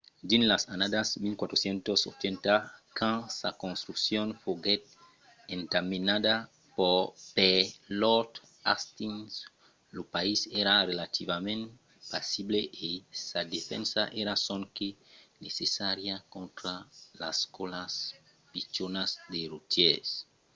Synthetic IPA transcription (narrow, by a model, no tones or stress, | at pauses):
d̪inlasanad̪asmilkwat̪ɾosjẽnt̪oso̰t͡ʃent̪akʰãsakõnst̪ɾuksjonfoɡet̪̚ | ent̪aminad̪a | poɾpelot̪ | ast̪ins | lopaiseɾarelat̪ivamẽn | pasibleʔesad̪efḛ̃nsa̰ʔeɾasõŋkenesesaɾjakõnt̪ɾalaskolas | pit͡ʃonazd̪erut̪jes